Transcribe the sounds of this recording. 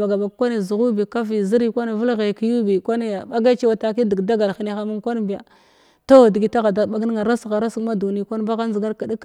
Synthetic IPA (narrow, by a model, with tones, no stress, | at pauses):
a˨ɡa˨ba˨ɡ̚kʷa˦ni˨zu˨ɣu˦bi˨ka˦vi˨zi˦ɾi˦kʷa˦ni˨və˦lɣe˨ki˨ju˦bi˨kʷa˦ni˦a˨ba˦ɡa˦t͡ʃe˦wa˨ta˨ki˦di˨ɡda˦ɡa˨lxi˨ni˦xa˦mu˦ŋkʷa˦n˦bi˨ja̰˨ | to˦˨di˨ɡi˨ta˦ɣa˨da˨ba˨˦ɡi˦n˦ŋa˨ɾa˦sɣa˨ɾa˦skma˦du˨ni˦kʷa˦n˦ba˦ɣa˦n˦zi˨ɡa˦ɾka˨di˦k